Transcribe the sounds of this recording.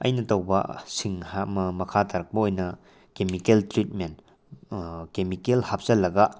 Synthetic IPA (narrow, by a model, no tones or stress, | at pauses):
ɐ̰jnɐtɐwbɐ̰siŋhamɐmɐkʰatʰaɾɐk̚pɐojnɐ | kemikeltɾit̚men | kemikelhap̚zɐlːɐɡɐ